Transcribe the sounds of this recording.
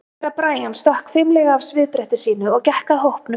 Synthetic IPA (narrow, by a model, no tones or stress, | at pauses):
ɾapɾaːjanst̪ahkfɪmlɛɣaːvsvɪðpɾɛht̪ɪsiːnʏɔɣcɛhkaðɦowhpnʏ